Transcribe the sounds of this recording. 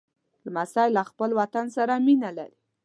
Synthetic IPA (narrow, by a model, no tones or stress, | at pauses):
lmasɑjlaxpəlwat̪ansaɾaminala̰ɾi